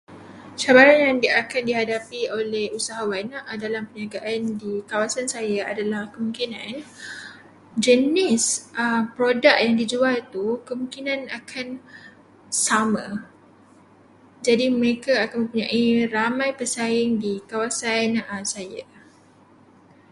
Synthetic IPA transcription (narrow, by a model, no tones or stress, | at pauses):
t͡ʃabaɾanjaŋdiakandiɦadapiolɛhusaɦawanaʔdalampəniaɡaʔandikawasansajaadalahkəmũŋkinãn | d͡ʒənɪsəmpɾodaʔ̚jaŋdid͡ʒualt̪ukəmũŋkinãnakʰan | samã | d͡ʒadiməɾekaakanmə̃mpuɲãʔiramãjpəsajɪŋdikawasansaja̰